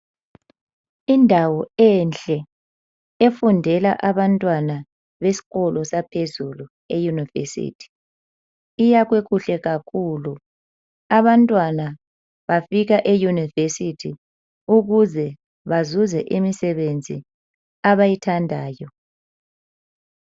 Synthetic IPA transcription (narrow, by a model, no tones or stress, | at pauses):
indʱawɔɛnɬʼɛ | efundʱɛlaʔaβantʼwana | βesi̥ɣɔlɔsapʰezulu | ejunivḛsḭːtʰi̥ | ijaɣweɣuɬɛɣakʰulu | aβantʼwana | βafiɣaʔejunivesitʰi | uɣuzɛ | βazuzɛ̰ʔimisɛβend͡zʱḭ | aβajitʰandʱaːjɔ